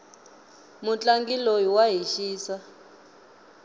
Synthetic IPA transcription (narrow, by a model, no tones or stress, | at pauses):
mut͡ɬʼaŋɡilojiwaɦiʃiːsa